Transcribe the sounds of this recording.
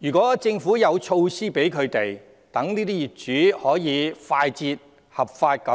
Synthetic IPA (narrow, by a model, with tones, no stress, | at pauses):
jyː˨˩kʷɔː˨˥t͡sɪ˧ŋfuː˨˥jɐ˨˧wt͡ʃʰo˧wsiː˥pe˨˥jkʰɵ˨˧ɥt̪e˨˩j | t̪ɐ˨˥ŋniː˥t̪iː˥jiː˨t̚t͡ʃyː˨˥hɔː˨˥jiː˨˧faː˧jt͡siː˧t̚ | hɐ˨p̚faː˧t̚kɐ˨˥